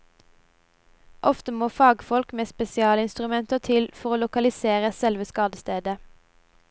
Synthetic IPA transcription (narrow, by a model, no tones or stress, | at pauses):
ʔɔft̪əmoːfɑːɡfɔlkmeːspɛsɪɑːləɪnst̪ʁʉmɛnt̪ət̪ʰɪlfɔʁoːlʊkɑlɪseːʁəsɛlʋəskɑːd̪əst̪eːd̪ə